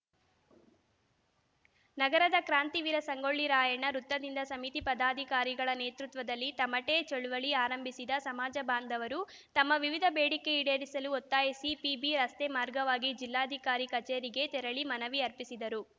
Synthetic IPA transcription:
nɐɡɐɾɐd̪ɐkɾaːnt̪iʋiɾɐsɐŋɡoɭːiɾaːjɐɳːɐɾut̪ːɐd̪ind̪ɐsɐmit̪ipɐd̪aːd̪ʱikaːɾiɡɐɭɐneːt̪ɾut̪ʋɐd̪ɐlːit̪ɐmːɐʈeːt͡ʃɐɭuʋɐɭiaːɾɐmbʱisid̪ɐsɐmaːd͡ʒɐbaːnd̪ʱɐʋɐɾu | t̪ɐmːɐʋiʋid̪ʱɐbeːɽikːe̞iɽeːɾisɐluɔt̪ːaːjisipiːbiɾɐst̪emaːɾɡɐʋaːɡid͡ʒilːaːd̪ʱikaːɾikɐt͡ʃeːɾiɡe̞t̪ɛɾɐɭimɐnɐʋiɐɾpisid̪ɐɾu

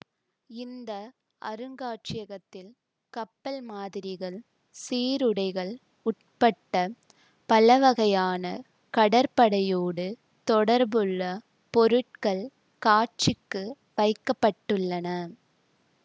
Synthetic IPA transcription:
ɪnd̪ɐ | ʔɐ̰ɾɯŋɡaːʈt͡ʃɪjɐɣɐt̪ːɪl | kɐpːɐlmaːðɪɾɪɣɐɭ | siːɾɯɽɐɪɣɐɭ | ʊʈ̚pɐʈːɐ | pɐlɐʋɐɣɐjaːnɐ | kɐɽɐɾpɐɽɐjoːɽɯ | t̪ɔɽɐɾbɯɭːɐ | pɔɾɯʈ̚kɐɭ | kaːt͡ʃɪkːɯ | ʋɐɪkːɐpːɐʈːɯɭːɐnɐ

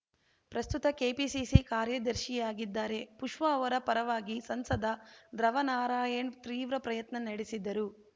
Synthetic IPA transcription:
pɾɐst̪ut̪ɐkeːpisisikaːɾjɐd̪ɐɾʃijaːɡid̪ːaːɾe̞puʂʋɐːʋɐɾɐpɐɾɐʋaːɡisɐnsɐd̪ɐd̪ɾɐʋɐnaːɾaːjɐɳt̪ɾiːʋɾɐpɾɐjɐt̪nɐnɐɽesid̪ːɐɾu

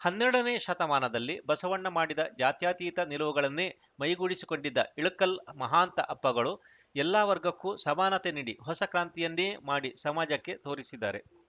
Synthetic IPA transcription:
hɐnːɛɾɽɐneːʃɐt̪ɐmaːnɐd̪ɐlːibɐsɐʋɐɳːɐmaːɽid̪ɐd͡ʒaːt̪jaːt̪iːt̪ɐnilɐʋuɡɐɭɐnːeː | mɐjɡuːɽisi̥ko̞ɳɖid̪ːɐiɭukːɐlmɐɦaːnt̪ɐʔɐpːɐɡɐɭu | ɛlːaːʋɐɾɡɐkːusɐmaːnɐt̪eniːɽiɦɔsɐkɾaːnt̪ijɐnːeːmaːɽisɐmaːd͡ʒɐkːe̞t̪o̞ːɾisid̪ːa̰ːɾe̞̰

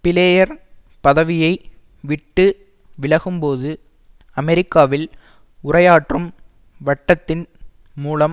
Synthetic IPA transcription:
pɪleːjɐɾ | pɐðɐʋɪjɐɪ | ʋɪʈːɯ | ʋɪɭɐɣɯmpoːðɯ | ɐmɛɾɪkːaːʋɪl | ʊrɐjaːʈrɯm | ʋɐʈːɐt̪ːɪn | muːlɐm

